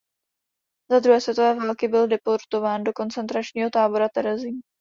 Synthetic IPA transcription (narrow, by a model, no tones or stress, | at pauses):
zad̪ɾuɦɛːsvjɛt̪ovɛːvalkɪbɪldɛpo̞ɾt̪o̞vaːndo̞ko̞nt͡sɛnt̪ɾat͡ʃɲiːɦo̞t̪aːbo̞ɾat̪ɛɾɛziː